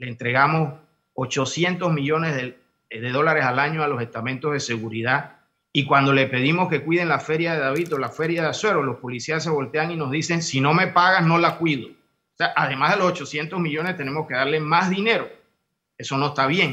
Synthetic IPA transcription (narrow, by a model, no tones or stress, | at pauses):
leːnt̪ɾe̞ɣamo̞s | ot͡ʃo̞sje̞nt̪o̞zmiʝo̞ne̞zðe | ðeðo̞laɾe̞salaɲoalo̞se̞st̪amẽnt̪o̞zð̞e̞se̞ɣuɾiða | ikwand̪o̞le̞pe̞ðimo̞ske̞kwið̞e̞nlafe̞ɾjaðeðaβit̪o̞lafe̞ɾjaðaswe̞ɾolo̞spo̞lisias̬ːe̞βo̞lt̪eaŋino̞zðise̞ŋsino̞me̞paɣasno̞lakwiðo | seaʔaðe̞mazðelo̞sot͡ʃo̞sje̞nt̪o̞zmiʎo̞nest̪e̞ne̞mo̞ske̞ðaɾle̞mazðine̞ɾo̞ | e̞so̞no̞est̪aβje̞ŋ